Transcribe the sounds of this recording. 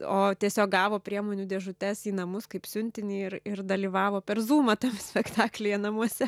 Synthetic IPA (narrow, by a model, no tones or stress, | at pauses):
oːt̪ʲiɛsʲoːk̚ɡɑːʋoːpʲɾʲiɛmoːnʲuːd̪ʲɛʒʊt̪ʲɛsiːnɐmʊskɐɪpsʲʊnʲt̪ʲɪnʲiːɪrɪrd̪ɐlʲiːʋɑːʋoːpʲɛrzuːmɐt̪ɐmsʲpʲɛkt̪ɑːklʲɪjɛnɐmuɔsʲɛ